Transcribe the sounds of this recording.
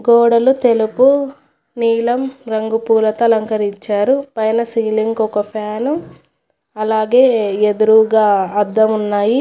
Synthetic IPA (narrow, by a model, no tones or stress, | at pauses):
ɡɔːɽɐlut̪e̞lupu | niːlɐmɾɐŋɡupuːlɐt̪ɐlɐŋkɐɾit͡ʃːaːɾupɐjnɐsiːliŋɡɔkɐpʰaːnu | ɐlaːɡeːed̪uɾuʋɡaːɐd̪ːɐmunːaːji